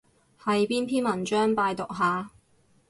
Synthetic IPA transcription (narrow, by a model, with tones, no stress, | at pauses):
hɐ˨jpiː˥npʰiː˥nmɐ˨˩nt͡ʃœː˥ŋpaː˧jt̪ʊ˨k̚ɦaː˨